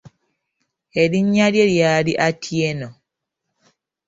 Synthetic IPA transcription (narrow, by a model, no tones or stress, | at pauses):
eɾiɲːaljeljaːliʔatʰjeno